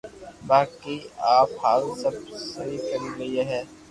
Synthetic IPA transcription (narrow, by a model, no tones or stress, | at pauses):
baːkiaːphaːlsɐb̚sɐɾikɐɾiɡɐieɦɛː